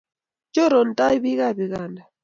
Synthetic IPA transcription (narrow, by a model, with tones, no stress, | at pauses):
t͡ʃɔ˦ɾɔ˨n˨tʼa˦i˦βi˦ɣa˦˨βi˨ɣa˨nda˨